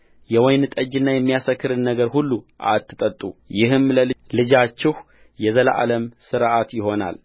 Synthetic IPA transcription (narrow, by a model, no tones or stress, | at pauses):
jɛwɔjnɨt̪ʼəd͡ʒɨnːajɛmːijasəkːɨɾɨnːəɡəɾhulːuʔa̰t̪ːɨt̪ʼət̪ʼujɪɦɨmləllɨd͡ʒat͡ʃːɪh | jɛzəlʔa̰ləmsɨɾʔat̪jɪɦo̞na̰l